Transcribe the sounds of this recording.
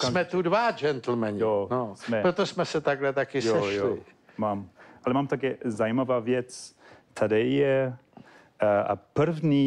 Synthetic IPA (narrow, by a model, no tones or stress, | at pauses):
kmɛt̪udvad͡ʒɛnt̪l̩mɛɲjonɔsmɛpɾot̪ɔsmɛsɛt̪aɡlɛt̪akɪjojo | mamalɛmamt̪akɛzajmavavjɛttʰadɛjɛ | aa̰pəɾvni